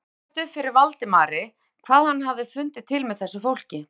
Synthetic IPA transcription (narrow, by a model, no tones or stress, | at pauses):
t̪ʏfɪɾɪɾvalt̪ɪmaːɾɪ | kʰvaːðhanːhavðɪfʏnt̪ɪt̪ʰːɪlmɛðθɛsːʏfowl̥cɪ